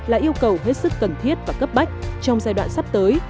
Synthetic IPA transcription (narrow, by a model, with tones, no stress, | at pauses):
laː˨˩ʔi˧əwkə˨˩wɦe˦˥t̚sɨ˦˥kːə˨˩nt̪ʰi˦˥ət̚vaː˨˩kə˦˥p̚ɓma˦˥jk̟̚t͡ɕɔ˧wŋ͡mzaː˧jɗwa̰ː˧˨nsa˦˥p̚t̪əː˨˦j